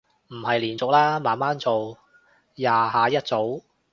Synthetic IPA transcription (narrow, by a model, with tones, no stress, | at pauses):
m̩˨˩hɐ˨jliː˨˩nt͡sʊ˨k̚laː˥maː˨˧nmaː˥nt͡so˨w | jaː˨ɦaː˨˧jɐ˥t̚t͡so˨˥w